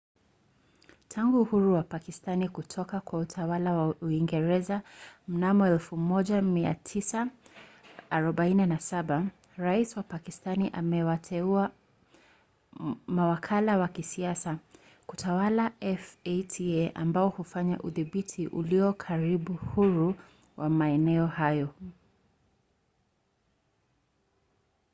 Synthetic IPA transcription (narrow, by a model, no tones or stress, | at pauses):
tʰaŋɡuːhuɾuwapakistanikutʰɔkakwautʰawalawauiŋɡɛɾɛzam̩namɔɛlfumɔʄamia̰tʰisaː | ɾɔɓaininasaɓa | ɾaiswapakistaniʔamɛwatʰɛua | mawakʰalawakisiasa | kutʰawalaɛfetʰiɛʔa̰mbaɔhufaɲa̰ʔuðiɓitʰiʔṵliɔkʰaɾiɓuhuɾu | wʔamaɛnɛɔhajɔ